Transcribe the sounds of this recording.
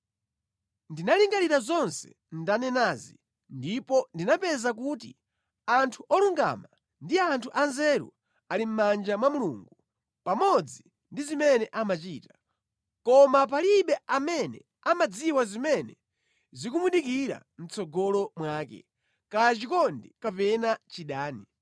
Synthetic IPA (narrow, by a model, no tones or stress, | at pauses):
ndinaliŋɡaliɾazɔnsɛ̥̰ | ndanɛnazi | ndipɔndinapɛzak̬uːtḭ | antʰuʔɔluŋɡa̰ma | ndiantʰuʔanzɛɾṵ | alim̩mand͡ʒamwamuluŋɡu | pamɔd͡zi | ndizimɛnɛʔamat͡ʃiːta | kɔmap̬aliɓɛamɛnɛ̰ | amad͡ziwazimɛnɛ | zikumuɗikiɾa̰ | m̩t͡sɔɡɔlɔmwaːkɛ̰ | kajat͡ʃikɔndikapɛnat͡ʃiɗaːni